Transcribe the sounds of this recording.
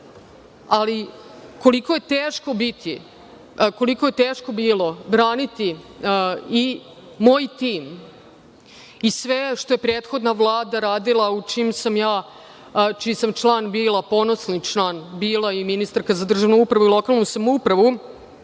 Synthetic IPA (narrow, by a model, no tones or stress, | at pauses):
ali | ko̞likoje̞t̪eːʃko̞bit̪ʰi | ko̞liko̞je̞t̪eːʃko̞biːlˠo̞bɾaːnit̪i | i | moːjt̪iːm | isʋeʃt̪o̞jepɾeːt̪xo̞d̪naʋlˠaːd̪aɾaːd̪ilˠaut͡ʃiːmsamjaː | t͡ʃisamt͡ʃlˠaːnbiːlˠapo̞nosnit͡ʃlˠaːnbiːlˠaiminist̪aɾkazad̪r̩ʒaʋnuupɾaʋuilˠo̞kalˠnusamoupɾaʋu